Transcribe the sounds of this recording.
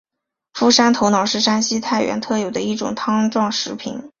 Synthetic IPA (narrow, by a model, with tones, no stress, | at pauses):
fu˥˩ʂa˥nt̪ʰo˧˥ʊnɑ˨˩ʊʂɻ̩˥˩ʂa˥nɕi˥t̪ʰa˥˩ɪɥɛ̰˧˥nt̪ʰɤ˥˩jo˨˩d̪ə˦i˥˩ʈ͡ʂʊ̰˨˩ŋt̪ʰɑ˥ŋʈ͡ʂwɑ˥˩ŋʂɻ̩˧˥pʰḭ˨˧˩n